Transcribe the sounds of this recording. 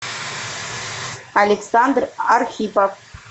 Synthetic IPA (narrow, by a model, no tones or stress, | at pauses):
alʲeksɑnd̪rarxʲipof